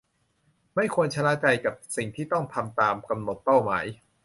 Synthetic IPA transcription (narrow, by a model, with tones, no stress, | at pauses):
ma˥˩jkʰu˧ənt͡ɕʰa˧laː˦˥t͡ɕa˧jka˨˩p̚si˨˩ŋt̪ʰiː˥˩t̪ɔ˥˩ŋt̪ʰa˧mt̪aː˧mka˧mno˨˩t̪̚pa˥˩wma̰ː˩˦j